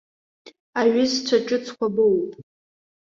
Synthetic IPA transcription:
aɥɪst͡sʷʰaʈ͡ʂʼɨt͡sʰkʷʰabɨwpʼ

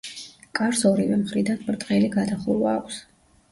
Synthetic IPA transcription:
kʼaɾsɔɾivɛmχɾid̪anmɾt̪ʼqʼɛliɡad̪aχuɾvaːkʷʰs

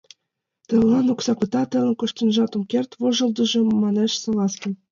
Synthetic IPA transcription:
t̪ɤ̆llɑnoksɑkɤt̪ɑt̪ɤ̆lɤ̆nkŏʃt̪ɤ̆nʒɑt̪omkʲert̪voʒɤ̆lˠd̪ɤ̆ʒɤ̆mɑneʃsɤ̆lɑskɤ̆n

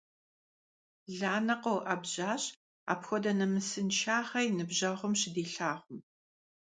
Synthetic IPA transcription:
ɮaːnɐqɐwʔɐbʑaːɕ | a̰ːpxʷɔdɐnɐmɨsɨnʃʰaːχɐjnɨbʑɐʁʷʊmɕɪdiːɬaːʁʷʊm

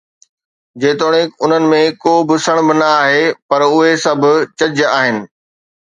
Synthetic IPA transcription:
d͡ʑeːt̪oːɽ̃ẽkʊn̤ənɪ̆mẽkoːbɪsɐɽ̃bɪnɐaːɦepɐɾʊɦesɐbʱʊ̆t͡ɕɐd͡ʑaːɦɪnɪ̆

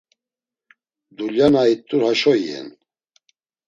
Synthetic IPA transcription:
d̪uljanait̪ʼːuɾhaʃɔjɛ̰n

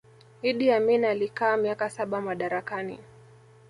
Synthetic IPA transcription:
iɗiaminalikaːmiakasaɓamaɗaɾakanḭ

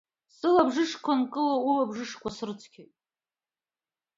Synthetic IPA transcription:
sɨlabʐɨʂkʷʰankʼɨlaulabʐɨʂkʷasrɨt͡sʰkʲʰejtʼ

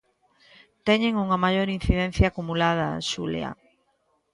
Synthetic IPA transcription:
t̪ɛɲeŋuŋɐmajoɾin̟θiðɛn̟θjaːkumulað̞ɐ̰ʃulḛa̰

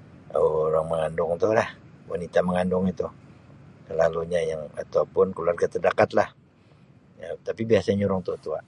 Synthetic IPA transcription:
oɾaŋməŋandʊŋt̪ulahwanit̪aməŋandʊŋit̪u | səlaluɲajaŋa̰t̪aupʊnkəluarɡat̪ərdakat̪lah | jat̪apibiasaɲɲuɾʊŋt̪uat̪ua

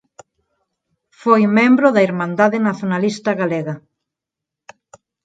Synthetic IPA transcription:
fojmẽmbɾoðɐiɾmãnd̪aðɪnaθjonalist̪ɐɣaleɣa

